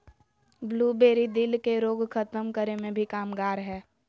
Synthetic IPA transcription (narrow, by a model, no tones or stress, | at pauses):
bluːbeːɾid̪ɪlkeɾoːɡkʰət̪əmkəɾemẽbʱikaːmɡaːɾɦɛː